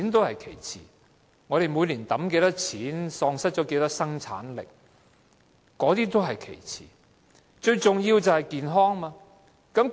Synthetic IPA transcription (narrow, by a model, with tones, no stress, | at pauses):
i˨˥nt̪o˥whɐ˨jkʰe˨˩jt͡sʰḭː˨˩ | ŋɔː˨˧ɾe˨jmuː˨˧jliː˨˩nt̪ɐ˨˥mke˧jt̪ɐ˥k̚t͡sʰiː˨˥nsɔː˧ŋsɐ˥t̚t͡ʃɔː˨˥ke˧jt̪ɐ˥k̚sɐ˥ŋt͡sʰa̰ː˨˥nlɪ̰˨k̚ | kɔː˨˥t̪iː˥t̪o˥wɦɐ˨jkʰḛ˨˩jt͡sʰḭː˨˩ | t͡ʃɵ˧ɥt͡sʊ˨ŋjiː˧wt͡sɐ˨whɐ˨jkiː˨nɦɔː˥ŋmaː˧ | kɐ˨˥m